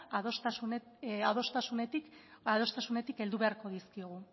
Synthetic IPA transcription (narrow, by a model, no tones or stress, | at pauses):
ðost̪au | aðo̞st̪asunet̪ikaðo̞st̪asune̞t̪ike̞ld̪uβe̞aɾko̞ðiskioɣ̞u